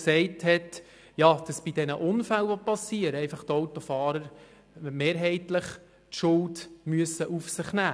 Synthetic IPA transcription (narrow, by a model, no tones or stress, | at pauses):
ksɛɪthɛt | jɑd̥ɑsb̥idɛnəʔʊnfælʋɔpɑsiəɾəɛɪfɑχt̪ɔwtɔfɑːɾəɾ | meːɾɦɛɪtləχ | tʃʊltmyəsːəʔufsɪχnæː